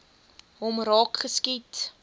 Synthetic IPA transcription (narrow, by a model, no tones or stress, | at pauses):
ɦɔmrɑːkχəskit